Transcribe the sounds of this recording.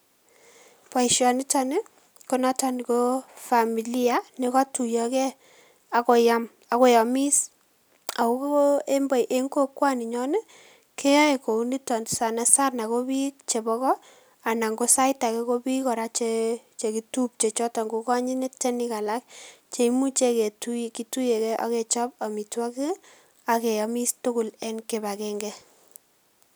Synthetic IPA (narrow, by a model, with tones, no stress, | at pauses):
pa˨iʃjɔ˨ni˦tɔ˦ne˦ | ko˦na˦tɔ˨ni˨ko˦fa˨mi˨li˦a˨ne˦kɔ˦tu˨jɔ˨kɛ˦ | a˨ko˨ja˦m | a˨ko˦ja˨mi˦s | a˨ko˦ke˦mbɔ˨jʔe˦ŋɡo˦kwa˦ni˨ɲɔ˦nɛ˦ | kʰe˦a˦eko˨u˦ni˦tɔ˨ndsa˨na˨˦sa˦rna˨ko˦bi˦kt͡ʃe˨bɔ˦kɔ˦ | a˨na˨ŋɡo˦sa˦jta˨ke˦ko˦bi˦kɔ˨ɾa˦t͡ʃe | t͡ʃe˨ki˨tu˦p̚t͡ʃe˨t͡ʃɔ˦tɔ˨ŋɡo˦kɔ˦ɲi˦nɛ˦tɛ˦ni˦ka˨la˦k̚t͡ʃe˨imu˦t͡ʃe˦ke˨tuki˨tu˦je˨kɛ˦ʔa̰˨ke˨t͡ʃɔ˦p̚a˨mi˨twa˦ki˦ | a˨ke˨jɔ˨mi˦stʊ˦kʊ˨lɛ˦nke˨ba˨kɛ˦ŋɡɛ˦